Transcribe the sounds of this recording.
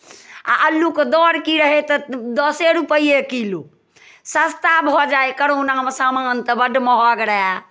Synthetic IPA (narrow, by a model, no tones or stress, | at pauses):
a̰ʔəlːuked̪ɔɾkiɾəɦet̪ɔd̪ɔseɾupəiekilu | səst̪abʱɔd͡ʒaekəɽonamesamant̪ɔbəɖmɔɦɔɡɾəɦɛ